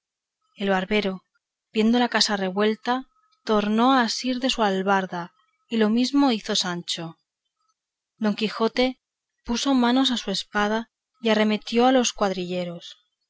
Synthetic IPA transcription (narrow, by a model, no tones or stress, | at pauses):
e̞lβaɾβe̞ɾo̞ | bje̞nd̪o̞lakasare̞βwe̞lt̪a | t̪o̞ɾno̞aːsiɾðe̞sualβaɾða | ilo̞mizmo̞iθo̞sant͡ʃo̞ | d̪o̞ŋkixo̞t̪e̞ | puso̞mano̞s̬asue̞spað̞a | iare̞me̞t̪jo̞alo̞skwaðɾiʎe̞ɾo̞s